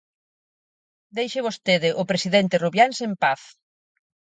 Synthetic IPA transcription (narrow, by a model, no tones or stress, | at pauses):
d̪ejʃɪβ̞ost̪eðɪʔʊpɾesiðent̪ɪruβjansempaθ